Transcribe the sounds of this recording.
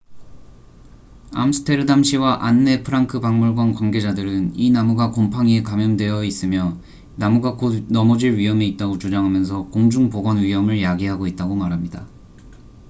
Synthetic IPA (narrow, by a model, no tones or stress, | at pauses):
a̰msʰɯ̥tʰe̞ɾɯdamɕʰiwaʔanːe̞pʰɯɾaŋkʰɯbaŋmuɭɡwankwanɡe̞d͡ʑadɯɾɯninamuɡakompʰaŋiekamjʌndwe̞jʌis͈ɯmjʌ | namuɡakonʌmʌd͡ʑiɭɥiɦʌmeit̚t͈aɡot͡ɕud͡ʑaŋɦamjʌns̬ʰʌkoŋd͡ʑuŋpoɡʌnɥiɦʌmɯɭjaɡiɦaɡoit̚t͈aɡomaɾɦamɲida